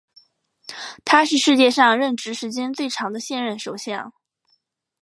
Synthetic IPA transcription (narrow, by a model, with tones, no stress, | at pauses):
t̪ʰa˥ʂɻ̩˥˧ʂɻ̩˥˧t͡ɕjɛ˥˧ʂɑ˥˧ŋɻə˥˩nʈ͡ʂɻ̩˧˥ʂɻ̩˧˥t͡ɕjɛ˥nt͡swe˥˩ɪʈ͡ʂʰɑ˧˥ŋd̪ə˧ɕjɛ˥˧nɻə˥˩nʂo˨˩ʊɕjɑ˥˩ŋ